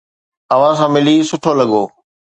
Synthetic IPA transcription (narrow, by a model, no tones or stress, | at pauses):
ɐʋ̤ãsãːmɪlisʊʈʰoːlɐɠoː